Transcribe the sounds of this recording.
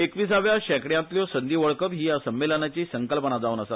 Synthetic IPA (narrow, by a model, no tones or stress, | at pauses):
ekʋiːsaʋjaɕɛkɽjãt̪ljɔsənd̪ʱiːʋəɭkəpɦiːjasəmːelənat͡ɕiːsəŋkəlpənad͡zauːnəsat̪